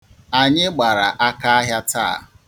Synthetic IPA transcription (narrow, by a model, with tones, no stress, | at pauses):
a˨ɲɪ˦ɡ͡ba˨ɾa˨ʔa˦ka˦a˦ɦja˦ta̰˦˨